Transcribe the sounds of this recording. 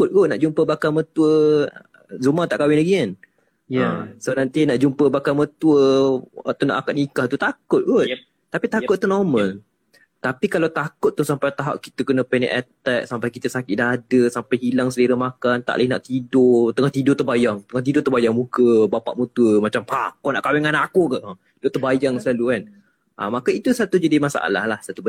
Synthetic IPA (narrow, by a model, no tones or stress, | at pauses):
kʊt̪̚ɡoʔnaʔd͡ʒumpəbakamət̪uə | zumãt̪aʔkawɪnlaɡian | sonãnt̪inaʔd͡ʒumpəbakamət̪uəat̪ana̰ʔakat̪̚nikaht̪ut̪akʊt̪̚ɡot̪ | t̪ːapit̪akʊt̪̚ːunɔmə̃n | t̪apikalawt̪akʊt̪ːuhsampajt̪aɦa̰ʔki̥t̪əkənə̃pɛnɛ̰ʔɛt̪ɛk̚sampajkit̪əsakɪt̪̚daɦadəsampajɦilaŋsəliɾəmakant̪a̰ʔlina̰ʔt̪idot̪əŋaht̪idʊt̪əbajaŋt̪əŋaht̪idʊt̪əbajaŋmukəbapa̰ʔmə̃t̪uəmat͡ʃampakɔna̰ʔkawɛŋanakoka | dot̪əbajaŋsəlalukan | ʔa̰makait̪usat̪ud͡ʒadimasa̰a̰la̰hlahsat̪u